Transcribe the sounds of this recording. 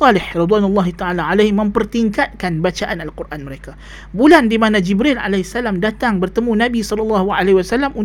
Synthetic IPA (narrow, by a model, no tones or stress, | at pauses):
ɑlɪħrid̪wanulˤːɑɦit̪aalaʕalahmə̃mpərt̪iŋkat̪̚kanbat͡ʃaʔanalkurʔanməɾeka | bulandimanãd͡ʒibɾɪlʔa̰lasːalamdat̪aŋbərt̪əmũnabisɔlɔlːɑɦa̰leiwasalamʔun